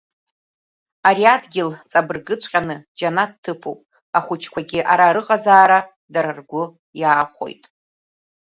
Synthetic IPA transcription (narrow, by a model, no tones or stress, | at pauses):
aɾiadɡʲɪlt͡sʼabɨrɡɨt͡ʃʷʰʼqʲʼanɨd͡ʒanattʰːɨpʰowpʼ | aχʷʊt͡ʃʰkʷaɡʲɪʔaɾaɾɨqʼazaːɾa | daɾɨrɡʷʊ | jaːχʷo̰jtʼ